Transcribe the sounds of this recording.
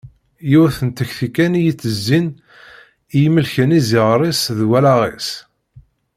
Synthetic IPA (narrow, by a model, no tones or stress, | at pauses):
juθənt̪əçθikːænjit͡sːəzːin | ijməlçənizɪʁɾˤisðwælaʁis